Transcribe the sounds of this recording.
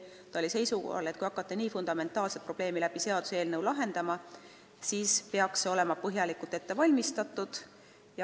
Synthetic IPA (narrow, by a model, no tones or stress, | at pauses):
t̪ɑo̞lʲise̞jsuɡo̰hɑ̰le̞t̪kujɑkːˑɑt̪ːe̞niːfund̪̥ɑme̞nt̪ːˑɑːlset̪̚pro̞b̥le̞ːmilæb̥ise̞ɑd̪̥u̥seːlnewlɑɦe̞nd̪̥ɑmɑ | siːspeɑksːeo̞le̞mɑpɤɦjɑlikult̪e̞t̪ːe̞vɑlʲmist̪ɑt̪ːˑud̪̥ | jɑ